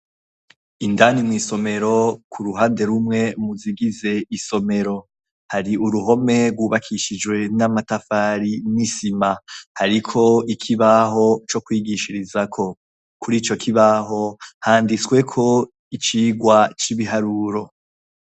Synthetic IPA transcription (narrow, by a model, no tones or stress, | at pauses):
indanimŋwiːso̞me̞ɾo̞kʰuɾuɦaːnde̞ɾumŋe̞muziɡize̞iso̞me̞ɾo̞ | haɾiuɾuɦo̞me̞ɾɡwuːβakʰiʃid͡ʒwe̞namatafaɾinisimahaɾikʰo̞ikʰiβaho̞t͡ʃo̞kwiːɡiʃiɾizakʰo̞ | kuɾiːt͡ʃo̞kʰiβaɦo̞haːndit͡swe̞kʰo̞ | it͡ʃiːɡwat͡ʃiβiɦaɾuɾo̞